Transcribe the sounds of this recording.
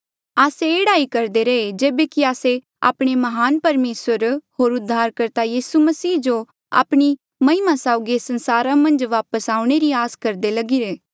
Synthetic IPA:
aːseːɽaːikɐɾd̪eɾeed͡ʒeːbekiaːse | a̰ːpɽ̃emɐɦaːnpɐɾmeːsəɾɦoːɾʊd̪ʱːaːɾkɐɾt̪ajiːsumɐsiːd͡ʒo | a̰ːpɽ̃i | mɐ̃ɪmãsaːʊɡesɐ̃nsaːɾãmɐ̃nd͡ʒʋaːpəsaːʊ̃ɽ̃eɾiaːskɐɾd̪elɐɡiɾeː

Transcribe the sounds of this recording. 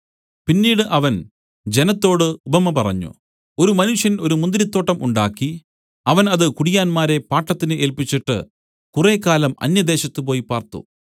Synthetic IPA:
pinːiːɽɨʔɐʋɐn | d͡ʑe̞nɐt̪ːo̞ːɽɨubɐmːɐpɐrɐ̰ɲːṵ | o̞ɾumɐnuʂjɐnio̞ɾumund̪ɾit̪ːo̞ːʈːɐmuɳɖaːkːi | ɐʋɐnɐðɨkuɽijaːnmaːɾe̞paːʈːɐt̪ːinɨʔeːlpit͡ɕːiʈːɨ̰ | kure̞ːkːaːlɐmɐ̰njɐd̪e̞ːɕɐt̪ːɨpo̞ːjipaːrt̪ṵ

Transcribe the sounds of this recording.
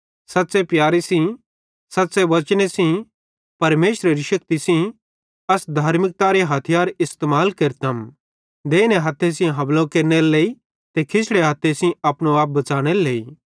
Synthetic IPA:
sɐt̪ːsepjaːɾisĩ | sɐt̪ːsebɐt͡ʃɽ̃esĩ | pɐɾmeːʃɾeɾiʃɐk̚t̪isĩ | ɐsd̪ʱaːɾmɪk̚t̪aɾeɦɐt̪ʰɪjaːɾɪst̪eːmaːlkeɾt̪ɐm | d̪eːneɦɐt̪ʰːesĩɦɐblõkeːɾneɾleːi | t̪ekʰɪsʰɽeɦɐt̪ʰesĩɐpɽ̃oaːp̬̚bɐt͡ʃaːɽ̃eleːiː

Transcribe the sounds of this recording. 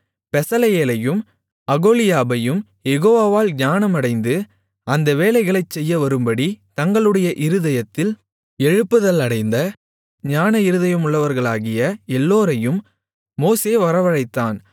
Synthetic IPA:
pɛsɐlɐjeːlɐjɯm | ɐɣoːlɪjaːbɐjɯm | jɛɣoːʋaːʋaːlɲaːnɐmɐɽɐɪnd̪ɯ | ɐnd̪ɐʋeːlɐɪɣɐɭɐɪt͡ʃsɛjːɐʋɐɾɯmbɐɽit̪ɐŋɡɐɭɯɽɐjɐʔɪɾɯðɐjɐt̪ːɪl | ɛɻɯpːɯðɐlɐɽɐɪnd̪ɐ | ɲaːnɐɪɾɯðɐjɐmʊɭːɐʋɐɾɣɐɭaːɣɪjɐɛlːoːɾɐjɯmː | oːseːʋɐɾɐʋɐɻɐɪt̪ːaːn

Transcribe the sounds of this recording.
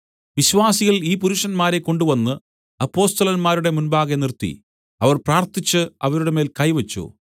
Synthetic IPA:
ʋiɕʋaːsiɣɐɭiːp̬uɾuʂɐnmaːɾe̞ko̞ɳɖuʋɐnːɨ | ɐpːo̞ːst̪ɐlɐnmaːɾuɽe̞munbaːɣenirt̪ːḭ | ɐʋɐrpraːrt̪it͡ɕːɨɐ̰ʋɐɾuɽe̞me̞ːlkɐjʋɐt͡ɕːṵ

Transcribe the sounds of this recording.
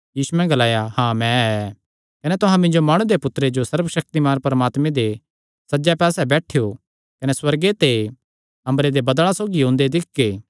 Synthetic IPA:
jiːsuɛ̃ɡɐlaːjahãːmɛ̃ɛ | kɐnet̪ʊɦãmɪ̃ɲd͡ʒomaːɽ̃ũd̪epʊt̪ːɾed͡ʒosɐɾbʃɐk̚t̪imaːɾpɐɾɐmaːt̪mẽd̪e | sɐd͡ʒɛpɛːsɛbɛːʈʰejo | kɐneswɐɾɡet̪e | ɐ̃mbɾed̪ebɐd̪əɭ̃ãsoːɡiɦõːnd̪ed̪ɪkɡeː

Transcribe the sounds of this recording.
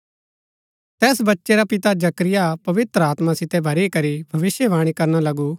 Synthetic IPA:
t̪ɛːsbɐtːʃeɾapɪt̪ad͡ʒɐkɾɪjapɐʋɪt̪ɾəaːt̪mãsɪt̪ɛbʱɐɾikɐɾibʱɐʋɪsjəʋaːɽ̃ikɐɾnalɐɡu

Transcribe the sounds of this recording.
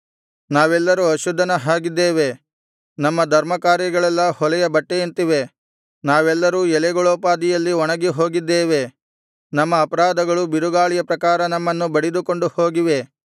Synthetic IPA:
naːʋɛlːɐɾuɐʃud̪ʱːɐnɐɦaːɡid̪ːeːʋe̞ | nɐmːɐd̪ʱɐɾmɐkaːɾjɐɡɐɭɛlːɐhɔlɛjɐbɐʈːejint̪iʋe̞ | naːʋɛlːɐɾuːɛlɛɡɔɭoːpaːd̪ijɐlːiɔɳɐɡeɦo̞ːɡid̪ːeːʋe̞ | nɐmːɐːpɐɾaːd̪ɐɡɐɭubiɾuɡaːɭijɐpɾɐkaːɾɐnɐmːɐnːubɐɽid̪uko̞ɳɖuho̞ːɡiʋe̞

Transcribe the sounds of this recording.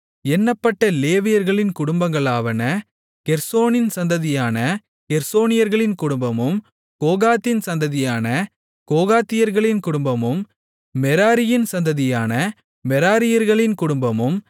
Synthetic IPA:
ɛnːɐpːɐʈːɐleːʋɪjɐɾɣɐɭɪnkʊɽʊmbɐŋɡɐɭaːʋɐnɐ | kɛɾsoːnɪnsɐnd̪ɐðɪjaːnɐ | kɛɾsoːnɪjɐɾɣɐɭɪnkʊɽʊmbɐmɯm | koːɣaːt̪ːɪnsɐnd̪ɐðɪjaːnɐ | koːɣaːt̪ːɪjɐɾɣɐɭɪnkʊɽʊmbɐmɯmː | ɛɾaːɾɪjɪnsɐnd̪ɐðɪjaːnɐ | mɛɾaːɾɪjɐɾɣɐɭɪnkʊɽʊmbɐmɯm

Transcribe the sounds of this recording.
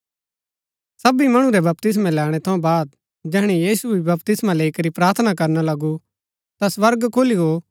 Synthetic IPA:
sɐbimɐɽ̃ũɾɛbɐp̚t̪ɪs̬mãlɛːɽ̃ɛt̪ʰɐũbaːd̪̚ | d͡ʒɛːɽ̃ijiːsubʱibɐp̚t̪ɪsmãleːikɐɾipɾaːɾt̪ʰnakɐɾnalɐɡu | t̪asʋɐɾɡkʰoːliɦoː

